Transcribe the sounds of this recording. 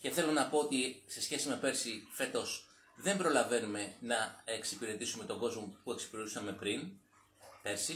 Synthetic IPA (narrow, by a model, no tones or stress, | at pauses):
ce̞θe̞lo̞nɐpo̞ot̪ise̞sçe̞sime̞pe̞ɾsife̞t̪o̞s | ðe̞mbɾo̞lɐve̞nume̞nɐeksipiɾe̞t̪isume̞t̪o̞ɡo̞zmo̞pue̞ksi̥piɾet̪usɐme̞pɾin | pe̞ɾsi